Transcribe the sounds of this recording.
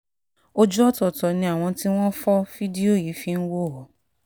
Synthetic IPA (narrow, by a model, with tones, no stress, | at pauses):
o˦d͡ʒu˦ɔ˦tɔ˨tɔ˨nĩ˧a˦˨w̃ɔ̃˧ti˦w̃ɔ̃˦fɔ˦fi˦di˦o˦˨ji˨˦fĩ˧˦n̩˦wo˦˨ɦɔ˨˦